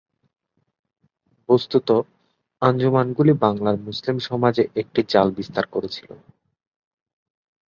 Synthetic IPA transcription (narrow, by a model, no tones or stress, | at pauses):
post̪ut̪o | and͡ʑomanɡulibaŋlaɾmuslimʃɔmad͡ʑeʔek̚ʈid͡ʑalbist̪aɾkoɾet͡ɕʰi̥lo̰